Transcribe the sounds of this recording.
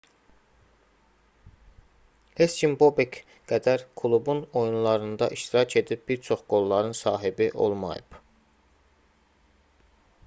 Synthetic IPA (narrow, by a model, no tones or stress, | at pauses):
hescʰimbo̞bek | ɡ̥æd̪æɾkʰulˠubuno̞junlˠɑɾɯnd̪ɑʔiʃt̪iɾɑcʰe̞d̪ip̚biɾt͡ʃʰo̞χɡ̥o̞lˠːɑɾɯnsɑːɦibiʔo̞̰lˠmɑ̰jɯ̰b̥